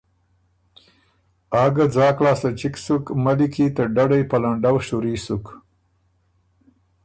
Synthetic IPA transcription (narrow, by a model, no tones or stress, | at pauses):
ɑɡad͡zɑːklɑːsat͡ʃiksukmalikʰit̪əɖaɽajpalaɳɖawʃuɾisuk